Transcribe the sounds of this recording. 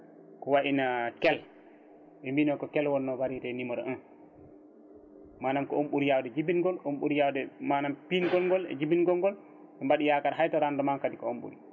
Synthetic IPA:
kɔwaɗinakɛl | ɓɛmbinɔkɔkɛlwɔnːɔwaɾitɛnimɔɾɔ̰ʔɔn | manamkɔomɓuɾijawdɛd͡ʒibinɡɔlomɓuɾijawdɛmaːnampinɡɔlɡɔlɛ̰d͡ʒibinɡɔŋɡɔl | ɓɛmbaɗijakaɾɦajtaɾandɔmamkadikɔo̰mɓṵɾi

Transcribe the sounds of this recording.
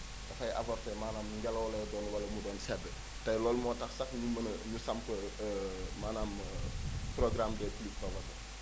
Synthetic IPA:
tɐfɐjʔɐ̰fɔrtɛmaːnaːmnuŋɡɐlɐwɐlɐjɔdɔːnwɐlɐmudɔːnsɛdːə | tɐjlɔːlmɔːtɐxsɐxɲumɐnɲusɐmpə | maːnaːm | proɡramdɛːklip̚tɐwɐtɐ

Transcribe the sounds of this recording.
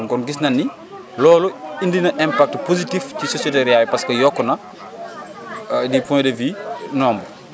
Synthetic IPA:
kɔnɡis̬nɐnːi | lɔːlɔindinɐʔɛmpak̚tpozitifcisosɛteɾjajpɐskɐjɔkːɔnɐ | dipɔ̃ndevinɔːmbɐ

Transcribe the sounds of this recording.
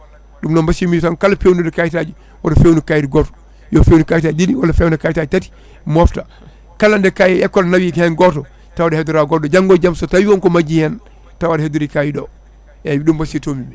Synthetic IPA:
ɗumnɔmbasimid͡ʒutankalafewnudɛkajtaːd͡ʒi | wadɔfewnukajtiɡɔtɔ̥ | jɔfewnukajtadidiwalafewnakajtad͡ʒitati̥ | mɔfta | kalandɛkajɛkːɔlnawikhɛnɡɔtɔ | tawadɛhɛduɾaɡɔtdɔd͡ʒaŋɡɔd͡ʒamsɔtawiwɔŋkɔmad͡ʒihɛn | tawadɛheduɾikajidɔ | ɛɗumbasitomimi

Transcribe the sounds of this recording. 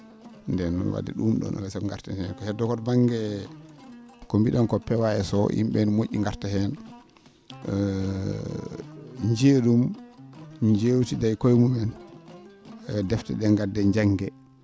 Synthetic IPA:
ndɛnɔ̰nwa̰dɛ̰ɗumɗɔ̰nɔ̰lɛsɛŋɡaɾtahɛnkɔhɛdɔkɔtbaŋɡɛ | kombiɗɔnkɔpɛwaɛsɔʔḭmɓɛnmoʔːiŋɡaɾtahɛn | ɲd͡ʒeɗum | ɲd͡ʒewtidajkojmumɛn | dɛftɛ̰ɗɛŋɡadːɛɲd͡ʒaŋɡɛ

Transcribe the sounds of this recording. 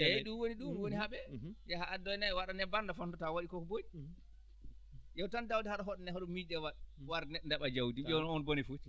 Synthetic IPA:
ɗunwoniɗumwonihaɓɛjɛɦaʔadɔjnawaɗanɛbandafɔntɔtawaɗikɔkɔboni | jɛwtandawdɛhaɗaɦɔɗnɛɦɔɗɔmidɛwaɗwaɾnɛndaɓad͡ʒawdiɓɛnɔnbonifut͡ʃ

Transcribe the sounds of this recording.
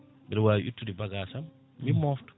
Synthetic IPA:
bilwaːʔṵtːudibɐɡaːsɐmː | imɔːftu̥

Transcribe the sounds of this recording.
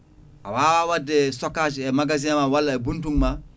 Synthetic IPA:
a̰waːwawadɛsɔkad͡ʒɛmaɡazĩamãwalːaɛbũntuŋma

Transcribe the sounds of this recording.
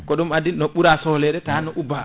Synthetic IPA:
kɔɗumadinːɔɓuɾasɔhlɛɗɛtanɔʔuba

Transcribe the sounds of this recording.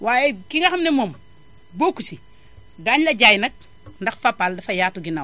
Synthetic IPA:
waːjɛkiŋɡɐxɐmnɛmoːm | bokːusi | daɲlɐɟajnɐk̚ | ndɐxfapːaldɐfɐjaːtuɡinaw

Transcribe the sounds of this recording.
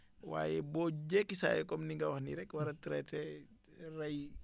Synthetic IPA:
wa̰ːjɛbɔɟɛkːisa̰ːjɛkɔmniŋɡɐwɐxnḭɾɛkwɐɾɐtiɾɛtɛ | rɐj

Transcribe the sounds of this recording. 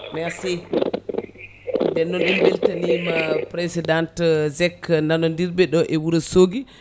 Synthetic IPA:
mɛasi | ndɛnːɔnɛnbeltanimapɾesidantzɛknanɔndiɾbɛɗɔʔɛwuɾɛsoɡi

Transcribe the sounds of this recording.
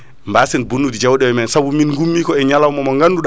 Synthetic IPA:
mbaːsɛnbunːudid͡ʒawɗɛwɛmɛnsabuminɡumːiːkɔɛɲalawmɔmɔŋɡanːduɗ

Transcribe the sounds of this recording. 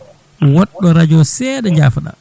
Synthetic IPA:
wɔɗːɔɾad͡ʒɔsɛːɗɛɲd͡ʒaːfaɗa̰

